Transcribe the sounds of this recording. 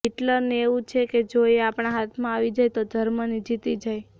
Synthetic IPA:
ɦiʈləɾneeʋũt͡ʃʰeked͡ʒoieapɳ̃aɦat̪ʰmãaʋid͡ʒajt̪od͡ʒʱəɾmənid͡ʒit̪id͡ʒaj

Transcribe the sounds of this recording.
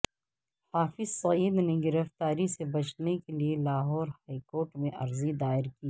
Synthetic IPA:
haːfɪzsɐiːd̪neɡɪɾəft̪aːɾisebɐt͡ʃnekelielaːɦɔːɾhaːikoːɾʈmẽʔɐ̰ɾzid̪aːɪɾkiː

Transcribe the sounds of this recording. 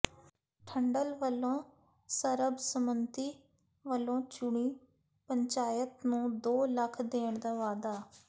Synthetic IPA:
ʈʰəɳɖəlʋəlõː | səɾəbsəmənt̪iː | ʋəlõːt͡ʃʊɳiː | pəɲt͡ʃaːjət̪nũːd̪oːləkʰd̪eːɳd̪aːʋaːd̪aː

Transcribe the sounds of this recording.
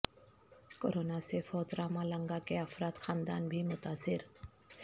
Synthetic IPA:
ko̰ɾonasefʰɔt̪ɾamaləŋɡakeafɾat̪xaːnd̪a̰nbʱimʊt̪asɪɾ

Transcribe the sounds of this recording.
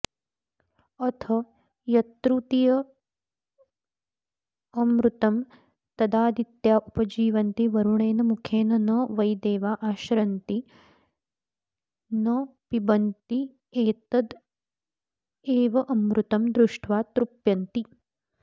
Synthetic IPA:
ɐt̪ʰɐ | jɐt̪ɾut̪ijɐ | ɐmɾut̪ɐm | t̪ɐd̪aːd̪it̪jaːʔupɐd͡ʒiːʋɐnt̪iʋɐɾuɳeːnɐmukʰeːnɐnɐʋɐjd̪eːʋaːʔaːʃɾɐnt̪i | nɐpibɐnt̪i | eːt̪ɐd̪ | eːʋɐʔɐmɾut̪ɐmd̪ɾuʂʈʰʋaːt̪ɾupjɐnt̪i

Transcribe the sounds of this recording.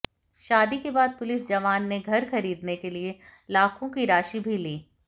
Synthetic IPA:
ʃaːd̪ikebaːd̪̚pʊlɪsd͡ʒɐʋaːnːeɡʱɐɾxɐɾiːd̪nekelielaːkʰõkiɾaːʃibʱiliː

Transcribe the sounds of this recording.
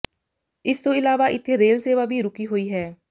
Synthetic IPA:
ɪst̪õːɪlaːʋaːʔɪt̪ʰːeːɾeːlseːʋaːbʱiːɾʊkiːɦoːiːɦɛː

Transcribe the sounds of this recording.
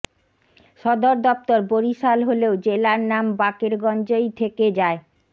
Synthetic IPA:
ʃɔd̪oɾd̪ɔp̚t̪oɾboɾiʃalɦoleod͡ʑelaɾnambakeɾɡɔnd͡ʑojt̪ʰeked͡ʑae

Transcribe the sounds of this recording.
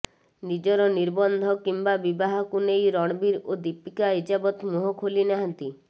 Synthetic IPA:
nid͡ʒɔɾɔniɾbɔnd̪ʱɔkimbabibaɦɔkunejɾɔɽ̃ɔbiɾod̪ipikaid͡ʒabɔt̪muɦɔkʰolinaɦant̪i

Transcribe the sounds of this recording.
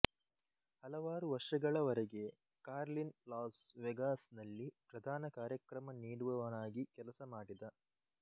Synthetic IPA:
hɐlɐʋaːɾuʋɐɾʂɐɡɐɭɐʋɐɾeɡe | kaːɾlinlaːsʋeɡaːsnɐlːipɾɐd̪ʱaːnɐkaːɾjɐkɾɐmɐniːɽuʋɐʋɐnaːɡikɛlɐsɐmaːɽid̪ɐ

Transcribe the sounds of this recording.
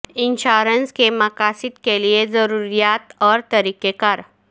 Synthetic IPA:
inɕaɾənskemakasit̪keliezəɾuɾijat̪ɔːɾt̪əɾikekaɾ

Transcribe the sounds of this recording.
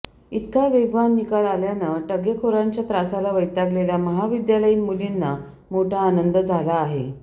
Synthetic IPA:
it̪kaʋeɡʋanːikalaljanəʈəɡjəkʰoɾaɲt͡ɕjat̪ɾasalaʋəjt̪aɡleljaməɦaʋid̪jaləjinmulinːa | moʈʰaːnənd̪əd͡zʱalaːɦe

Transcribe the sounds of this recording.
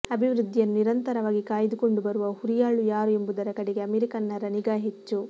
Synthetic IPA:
ɐbʱiʋɾud̪ʱːijɐnniɾɐnt̪ɐɾɐʋaːɡikaːjɐd̪uko̞ɳɖubɐɾuʋɐhuɾijaːɭujaːɾue̞mbud̪ɐɾɐkɐɽeɡe̞ɐmeːɾikɐnːɐɾɐniɡaːɦet͡ʃːu

